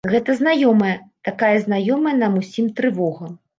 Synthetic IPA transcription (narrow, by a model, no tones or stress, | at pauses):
ɣɛt̪ɐzn̪ajɔmɐjɐt̪akajɐznajɔmɐjɐnɐmusʲimt̪ɾɨvɔɣɐm